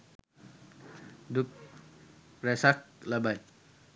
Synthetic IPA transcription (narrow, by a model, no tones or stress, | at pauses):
d̪uk̚ | ɾɛsak̚labaj